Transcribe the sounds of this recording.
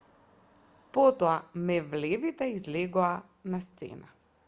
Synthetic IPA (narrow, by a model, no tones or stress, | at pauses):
pɔt̪ɔamɛvlɛvit̪ɛizlɛɡoa | nast̪sɛ̰na